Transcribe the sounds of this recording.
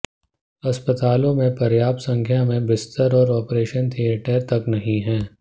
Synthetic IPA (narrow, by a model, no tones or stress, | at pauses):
ɐspət̪aːlõmẽpɐɾjaːbsɐ̃ŋkʰjamẽbɪst̪əɾɔːɾɔːpɾeːʃənt̪ʰieːʈəɾt̪ɐknɐɦĩɦɛ̃ː